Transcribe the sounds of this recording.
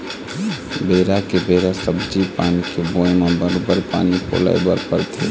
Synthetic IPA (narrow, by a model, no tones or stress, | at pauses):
beːɾakebeɾasəbd͡ʒipanikebojnobəɾobəɾpa̰nipo̰la̰ɪbəɾpəɾt̪ʰe